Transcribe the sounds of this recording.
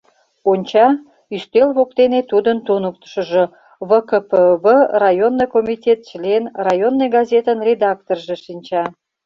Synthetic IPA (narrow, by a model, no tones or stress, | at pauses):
onʲt͡ɕɑ | yst̪elβokt̪enet̪ud̪ənt̪unək̚t̪ə̥ʃə̆ʒo | βəkəpəβərɑjonːojkomitʲet̪̚t͡ɕəlenrɑjonːojɡɑzet̪ənrʲed̪ɑk̚t̪orʒeʃinʲt͡ɕɑ